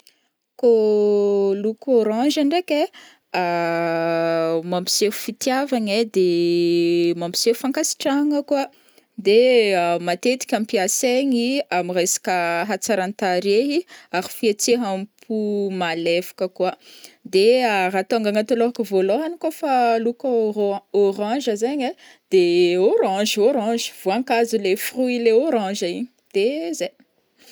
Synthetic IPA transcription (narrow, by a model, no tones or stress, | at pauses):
ko | lukoɾɑ̃ʒaɳɖ͡ʐekʲe | a | mambi̥sefu̥fit̪javaɲed̪e | mambi̥sefu̥faŋkasi̥ʈ͡ʂaŋəkua | d̪eamat̪et̪i̥kʲampiaseɲiamirejsḁkʲəɦat͡saɾant̪aɾeɦiaɾifiet͡seɦamipʰumalefi̥kəkuəd̪earat̪oaŋɡaŋat̪oloɦakəvoloɦanikofalukəoɾɑ̃ʒəzeɲe | d̪̥eoɾɑ̃ʒoɾɑ̃ʒi̥v̥oaŋkazulefruileoɾɑ̃ʒaiɲi̥ | d̪̥ezej